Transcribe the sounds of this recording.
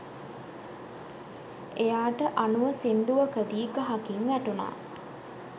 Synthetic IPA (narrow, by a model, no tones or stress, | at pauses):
ejaːʈəʔanuʋəsind̪uʋəkəd̪iːɡaɦakiŋʋæʈuna̰ː